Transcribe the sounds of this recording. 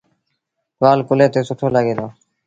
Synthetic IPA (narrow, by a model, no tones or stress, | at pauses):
ʋaːlkʊleːt̪eːsʊʈʰoːlaːɡeːd̪aː